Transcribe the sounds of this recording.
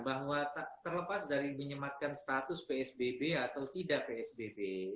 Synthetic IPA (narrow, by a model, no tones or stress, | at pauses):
baɦwat̪at̪ərləpasdaɾiməɲəmat̪̚kanst̪at̪ʊspeɛsbebeat̪awt̪idaʔpeɛsbebe